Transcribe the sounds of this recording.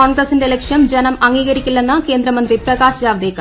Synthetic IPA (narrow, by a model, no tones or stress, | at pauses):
oːɳɡɾɐsinde̞lekʂjɐmd͡ʑenɐmɐŋɡiːɣɐɾikʲːulːenːɐke̞ːnd̪ɾɐmɐnd̪riprɐɣaːɕɐjaːʋɐd̪eːkːɐ